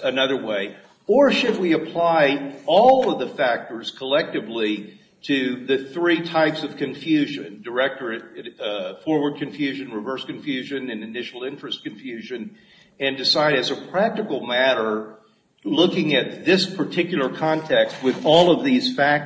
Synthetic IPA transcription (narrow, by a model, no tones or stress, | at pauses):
ɨnʌðə˞weɪ | ə˞ʃɨd̚wiɨpʰl̥aɪɔlˠʌvðəfæk̚tə˞z̥kʰəlɛk̚tɨvli | ɾɨðɨθɹitʰaɪpsʌv̥kʰɨ̃ɱfjʉʒɨ̰̃ndə˞ɛk̚tə˞ɨɾ | fɔɹwə˞d̚kʰɨ̃ɱfjʉʒɨ̃nɹɨvɜ˞skɨ̃ɱfjʉʒɨ̃nɨ̃nɨnɪʃl̩ˠɪ̃nt͡ʃɹ̥ɨstkɨ̃ɱfjʉʒɨ̃n | ɨ̃ndɨsaɪɾɨzɨpʰɹ̥æk̚tɨkl̩ˠmæɾə˞ | lʊkɪ̃ŋɨt̪̚ðɪspʰə˞tʰɪkjl̩ˠə˞kʰɑ̃ntʰɛkst̚wɨðɔlˠʌvðiz̥fæk̚